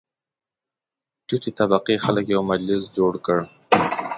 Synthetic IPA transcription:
ʈutit̪abaqixaləkjawmad͡ʒlɪs̬d͡ʒoɽkəɽ

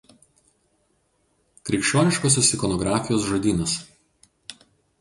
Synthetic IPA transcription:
kɾʲɛɪkʃʲt͡ʃʲoːnʲɪʃkoːsʲosɪkɔnɔɡɾɑːfʲɪjoːsʒod̪ʲiːnɐs

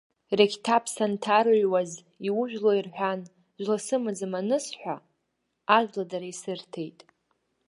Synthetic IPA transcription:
rekʲtʰapʰsantʰaɾɥwaz | iwʊʒᶣlo̞irħʷᶣan | ʒʷlasɨmɨd͡zɨmanɨsħʷᶣa | aʒladaɾaisɨrtʰe̞jtʼ

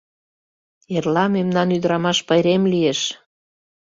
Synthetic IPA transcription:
erlɑmemnɑnyd̪əɾɑmɑʃpəjɾemlijeʃ

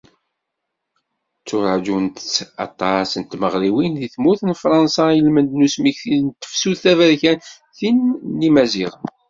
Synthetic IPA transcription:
t͡sːʊɾˤəʕd͡ʒunt̪t͡sːɑ̰t̪ˤːɑsənt̪məʁliwinðiθmuθənfɾˤɑnsɑəlmənd̪nusmiçθiðnt̪ːə̥fsuðθævəɾçæn | θinːimæziʁən

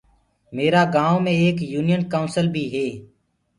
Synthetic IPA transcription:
meːɾaːɡãːomẽːeːkjuːnɪjənkaːʊnsəlbʱiːɦeː

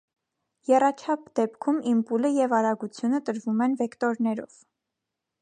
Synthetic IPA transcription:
jɛrɑt͡ʃʰɑp̚ʰd̪ɛpkʰumimpuləjɛvɑɾɑɡut͡sʰjunət̪əɾvumɛnvɛkt̪ɔɾnɛɾɔ̰v̥

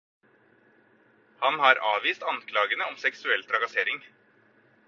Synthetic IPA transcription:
hɑnhɑɾɑ̰ːʋiːst̪ɑnkʰlɑːɡənəɔmsɛksʉɛlt̪ʰɾɑɡɑseːɾɪŋ

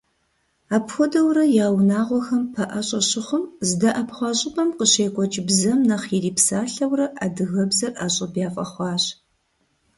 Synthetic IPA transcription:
aːpxʷɔdɐwrɐjaːwnaːʁʷɔxɐmpʰɐʔɐɕʼɐɕɪχʷʊmzɨdɐʔɐpʰχʷɑɕʼɪpʰʼɐmqəɕeːkʷʼɔt͡ʃʼɪbzɐmnɐχiriːpsaːɬɐwrɐʔadɨɣɐbzɐrʔaɕʼɐbjaːfʼɐχʷɑːɕ

